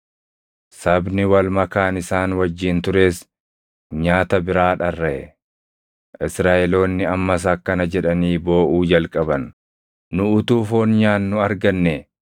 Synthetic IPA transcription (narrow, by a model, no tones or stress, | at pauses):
sɐbnɪwɐlmɐkaːnɪsaːnwɐd͡ʒːiːnt̪ʊɾe̞ːs | ɲaːt̪ɐbɪɾaːᶑɐrːɐʔɛ | ʔɪsɾaːʔɛlo̞ːnːɪɐmːɐs̬aːkːɐnɐd͡ʒɛᶑɐniːbo̞ːʔuːd͡ʒɐlkʼɐbɐnː | ʊʊt̪uːfo̞ːnɲaːnːʊɐɾɡɐnːe